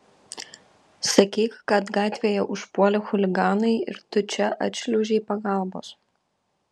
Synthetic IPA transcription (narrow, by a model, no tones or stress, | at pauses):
sɐkʲiːkkɐt̪ɡɑːt̪ʲʋʲeːjɛʔʊʃpuɔlʲɪxʊlʲɪɡɑːnɐɪɪ̰ɾt̪ʊt͡ʃʲɛʔɐ̰t̪ʲʃʲlʲʊʒʲɛɪpɐɡɐˑlˠbo̰ːs